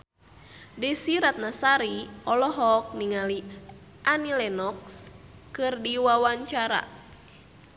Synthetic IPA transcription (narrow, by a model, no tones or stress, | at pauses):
disiɾat̪̚nasaɾiɔlɔɦɔk̚niŋali | ʔanilɛnɔkskɨrdiwawaɲt͡ʃaɾa̰